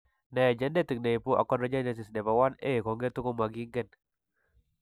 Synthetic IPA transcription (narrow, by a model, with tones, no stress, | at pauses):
nɛ˨d͡ʒɛ˦nde˦t̪i˨k̚ne˨i˨pu˦ʔa̰˨kːɔ˦nɾa˦d͡ʒa˦nɛ˨t̬ɪ˨snɛ˨ba˨wa˦ne˦˨kɔ˨ŋɡe˦t̪u˦ko˦ma˨ɡi˦ŋɡɛ˦n